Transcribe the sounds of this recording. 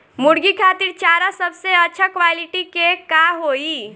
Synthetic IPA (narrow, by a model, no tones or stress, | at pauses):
muɽɡikʰaːt̪iɾt͡ʃaːɾasəbseətːʃʰakʋaːliʈikekaɦoːi